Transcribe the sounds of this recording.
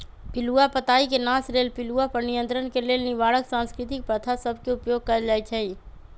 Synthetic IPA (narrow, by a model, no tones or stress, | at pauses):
pɪluapət̪aːikenaːsɾeːlpɪluapəɾnɪjə̃nt̪ɾənkeleːlniʋaːɽəksãːnskɾɪt̪ɪk̚pɾət̪ʰasəbʱkeʊpjoːɡ̚kəɾd͡ʒaːit͡ʃʰɛi